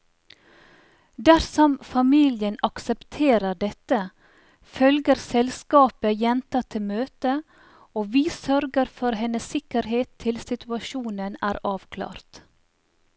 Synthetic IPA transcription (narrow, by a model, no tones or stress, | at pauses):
d̪æɾsɔmfɑmiːlɪənɑksəpt̪ʰeːɾəɖɛt̪ə | fœlɡəɾsɛlskɑːpəjɛnt̪ɑt̪ʰɪmøːt̪ə | oːʋiːsœɾɡəɾfɔɾhɛnəsɪkəɾheːt̪ʰɪlsɪt̪ʉɑʃuːnənæːɾɑːʋkʰlɑ̰ːɾt̪